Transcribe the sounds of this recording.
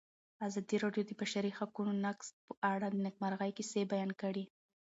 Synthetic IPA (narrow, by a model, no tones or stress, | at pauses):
azɑd̪iɾɑɖjod̪əbaʃaɾixakunonakspəʔaɽad̪ənɪk̚maɾɣajkesebajɑnkaɽi